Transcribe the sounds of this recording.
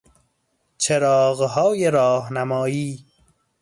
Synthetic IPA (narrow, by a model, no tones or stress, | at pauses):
t͡ʃʰeɾɒːɣɦɒːjeɾɒːɦnæmɒːjiː